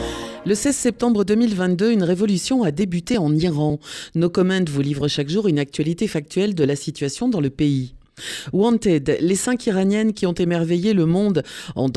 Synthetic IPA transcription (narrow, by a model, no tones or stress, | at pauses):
ləsɛzsɛp̚t̪ɑ̃bʁəd̪ømilvɛ̃t̪̚d̪øynʁevɔlysjɔ̃ad̪ebyt̪eɑ̃niʁɑ̃nokɔmɛ̃d̪vulivʁəʃakʒuʁynak̚t̪ɥalit̪efak̚t̪ʰɥɛld̪əlasit̪ɥasjɔ̃d̪ɑ̃ləpei | wɑ̃nt̪ɛd̪lesɛ̃kiʁanjɛnkʲiɔ̃t̪emɛʁvejeləmɔ̃d̪ɑ̰̃d̪